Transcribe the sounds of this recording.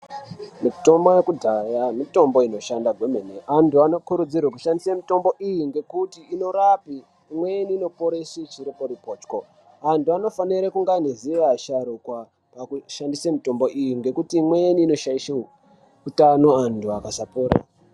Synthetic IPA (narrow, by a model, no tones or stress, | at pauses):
mito̞mbojekudʱajamito̞mbo̞ino̞ʃandaɡʱwemeneantuano̞kuɾud͡zirwakuʃandisamito̞mbo̞ʔijiŋɡe̞kutiːno̞ɾapiː | mwejeniːno̞poɾesit͡ʃiɾipo̞ɾipo̞ːt͡ʃko̞ | antuano̞faniɾekuŋɡaniziʋaʃaɾukwa | pakuʃandisemito̞mbo̞ʔijiŋɡe̞kutiːmwejeniːno̞ʃaiʃeu | utano̞antʰuakasapuːɾa̰